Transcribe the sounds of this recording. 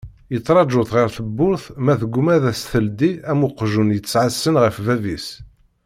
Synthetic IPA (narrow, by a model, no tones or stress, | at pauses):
jət͡sˤːɾˤɑʒʊθʁəɾθəbːʊɾθmæθəɡʷmæðæsθəld̪iæmʊqːʒunjət͡sːʕəsːənʁəfvævis